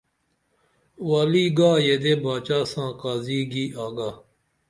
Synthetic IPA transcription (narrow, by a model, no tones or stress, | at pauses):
waːliːɡaːjed̪eːbaːt͡ʃaːsãːkaːziːɡiːʔaːɡaː